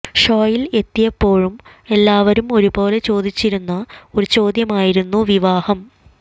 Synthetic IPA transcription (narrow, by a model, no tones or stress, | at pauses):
ʂo̞ːjile̞t̪ːijɐpːo̞ːɻume̞lːaːʋɐɾumo̞ɾubo̞ːle̞t͡ɕo̞ːd̪it͡ɕːiɾunːɐo̞ɾut͡ɕo̞ːd̪jɐmaːjiɾunːuʋiʋaːhɐm